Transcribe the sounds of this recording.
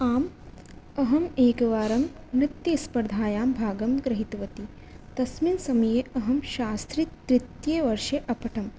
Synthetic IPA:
aːm | ɐɦɐmeːɡɐʋaːɾɐm | nit̪jɐspɐɾd̪ʱaːjaːmbʱaːɡɐmɡɾɐɦit̪uʋɐt̪i | t̪ɐsminsɐmɐjeːʔɐɦɐmʃaːst̪ɾit̪ɾit̪jeːʋɐɾʃɐʔɐpɐʈʰɐm

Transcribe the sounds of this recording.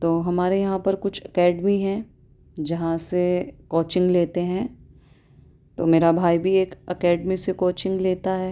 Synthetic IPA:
t̪oːɦɐmaːɾejɐɦãpɐɾkʊt͡ʃʰɐkɛːɖmiɦɛ̃ | d͡ʒɐɦãsekoːt͡ʃɪ̃ŋɡleːt̪eɦɛ̃ː | t̪o̰ːmeːɾabʱaːibʱieːkɐkɛːɖmisekoːt͡ʃɪ̃ŋɡleːt̪aɦɛː

